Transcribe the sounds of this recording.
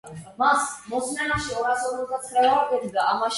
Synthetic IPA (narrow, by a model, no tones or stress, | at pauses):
masmɔsmɛnaʃiɔɾasɔbɛld̪at̪sʰɾavaɾɡɛb̪d̪aamaʃ